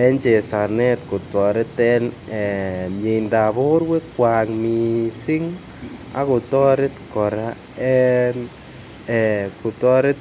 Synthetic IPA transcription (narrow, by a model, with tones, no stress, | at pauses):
ɛ˦nt͡ʃe˨sa˨nɛ˦t̚kʊ˨tɔ˨ɾɪ˦tɛnɛ˨mje˨nda˨bʊ˦ɾwe˦kwa˨ŋmi˨sɪ˦ŋ | a̰˦kʊ˨tɔ˦ɾɪ˦tkɔ˨ɾa˦ | ɛ˦n | ɛ˨kʊ˨tɔ˦ɾɪ˦t̚